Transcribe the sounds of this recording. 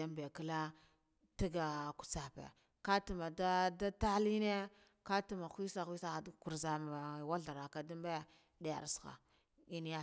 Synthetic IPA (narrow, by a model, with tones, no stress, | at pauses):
a˦mbe˨ka˦la˦ | ti˦ɡa˨ku̥˨t͡sa˨pḛ˨ | ka˦tu˨ma˨da˦da˦ta˦li˦ne˦ | ka˦tu˦˨ma˨xʷi˦sa˨xʷi˦sa˦˨dku˨ɾza˨ma˨wa˦ɮa˨ɾa˨ka˨du˦mbe˦ | de˦ja̰˨ɾsxa̰˨ | i˦ni˦ja˦